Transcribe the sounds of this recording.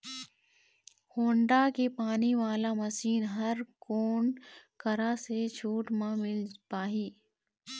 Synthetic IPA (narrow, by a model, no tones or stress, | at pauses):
hoːɳɖakepaːniʋaːlamɐsiːnɦɐɾkoːɳkɐɾaset͡ʃʰuːʈmãmɪlpaːɦiː